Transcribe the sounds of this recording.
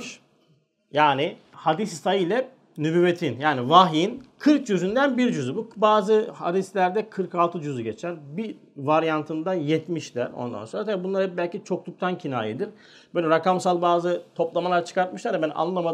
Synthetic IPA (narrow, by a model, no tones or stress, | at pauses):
jaːni | had̪issajɯjlʲɛ | nybyːet̪ʰinjaːnivaɦjinkʰɯɾk̚d͡ʒyzynd̪ænbiɾd͡ʒyzybubaːzɯha̰d̪islʲæɾd̪ɛkʰɯɾkalˠt̪ʰɯd͡ʒyzyɟet͡ʃʰæɾbi | vaɾjant̪ʰɯnd̪anjɛt̪miʃlʲæ̰ɾo̰nd̪a̰nsonɾat̪ʰabibunlˠaɾɯbælʲcit͡ʃʰo̞klˠuk̚t̪ʰancʰinaːjid̪iɾ | bøjlʲɛɾakamsalˠbaːzɯt̪ʰo̞plˠamalˠaɾt͡ʃʰɯ̥kaɾt̪̚mɯʃlˠaɾɛbɛn̰ʔa̰nˠɯama